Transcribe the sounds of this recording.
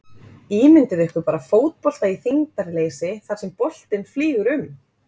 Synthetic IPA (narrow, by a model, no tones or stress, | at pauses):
iːmɪnt̪ʏɾɪhkʏpaːɾafoːwt̪̚pɔl̥t̪aiθiŋt̪aɾɪleːjsɪθaɾ̥sɛmpɔl̥t̪ɪnfliːɣʏɾʏm